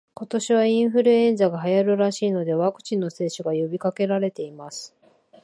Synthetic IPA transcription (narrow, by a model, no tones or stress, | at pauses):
ko̞t̪o̞ɕiβ̞aĩɰ̃ɸɯ̟ɾɯ̟ẽ̞nzaɡaɦajaɾɯ̟ɾaɕiːno̞d̪e̞βakɯ̟̥t͡ɕĩnːo̞se̞ːɕoɡajo̞bʲikake̞ɾaɾe̞t̪e̞imasɨ̥